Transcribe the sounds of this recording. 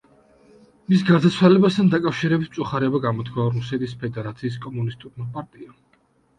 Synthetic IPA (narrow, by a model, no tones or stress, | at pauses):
misɡaɾd̪at̪sʰwalɛbast̪ʰand̪akʼafʃiɾɛbit̪ʰm̥tsʼuχaɾɛɔbaɡamɔt̪ʰkʰwaɾusɛt̪ʰʼispʰɛd̪ɛɾat̪sʰiːs̬kʼɔmunist̪ʼuɾmapʼaɾt̪ʼia